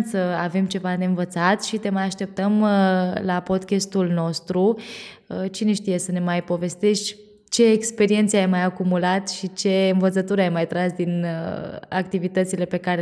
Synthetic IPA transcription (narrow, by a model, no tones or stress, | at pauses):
səave̞mt͡ʃe̞vad̪eɨnvət̪sat̪ʃit̪e̞majaʃt̪e̞p̚t̪əmlapo̞d̪kʲest̪ulno̞st̪ɾu | t͡ʃine̞ʃt̪ije̞səne̞majpo̞ve̞st̪e̞ʃt̪ʲ | t͡ʃe̞ːkspe̞ɾie̞nt̪seajmajakumulat̪ʃit͡ʃe̞ɨnvət̪sət̪uɾeajmajt̪ɾasd̪in | a̰kt̪ivit̪ət̪sile̞pe̞kaɾe